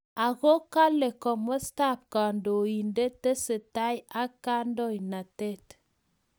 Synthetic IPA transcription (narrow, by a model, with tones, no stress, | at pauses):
a˨ɣo˦ka˦le˨kɔ˨mɔ˦sta˦˨p̚ka˨ndo˨ji˨nde˦te˦se˨ta˦ja˦ka˦n˦dɔ˦˨jna˨te˦˨t